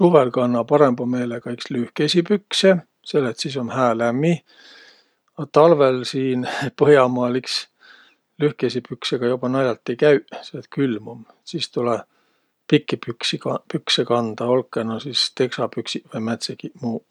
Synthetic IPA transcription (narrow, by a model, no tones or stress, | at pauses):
suvelkɑnːɑpɑɾembɑme̞ːlekɑikslyhkesipykse | se̞lːet̪sis̬o̞nhæːlæmːi | ɑt̪ɑlvelsiːnpɤjɑmɑːliks | lyhkesʲipykseɡ̥ɑjob̥ɑnɑjɑlt̪ːˑejkæyʔselːet̪̚kylmumesiːst̪ulɛ | pikːipyksiɑpyksekɑnd̪̥ɑolkːˑenosist̪e̞ksɑpyksivɤjmæt̪sekimuː